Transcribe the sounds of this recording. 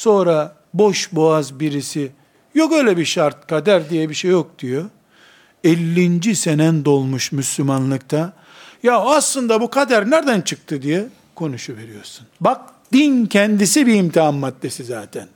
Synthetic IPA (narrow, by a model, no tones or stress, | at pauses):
so̞nɾa | bo̞ʃboazbiɾisi | jokø̞jlʲɛbiʃaɾt̪̚kʰad̪æɾd̪ijɛbiʃejok̚d̪̥ijo | ɛlʲːind͡ʒisenænd̪o̞lˠmuʃmyslʲumanlˠɯk̚t̪ʰa | jaoaslˠɯnd̪abukʰad̪æɾnæɾd̪ænt͡ʃʰɯk̚t̪ʰɯd̪ijɛ | kʰo̞nuʃuve̞ɾijo̞ɾsunbak̚d̪̥incʰɛnd̪isibiːmt̪ʰiɦanmat̪lesizaːt̪ʰɛn